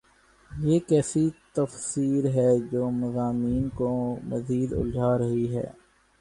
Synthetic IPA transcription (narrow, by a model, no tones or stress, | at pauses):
jeːkɛːsit̪ɐfsiːɾɦɛːd͡ʒoːmɐzaːmiːnkomɐziːd̪ʊ̰ld͡ʒʱaːɾɐɦiɦɛ̰ː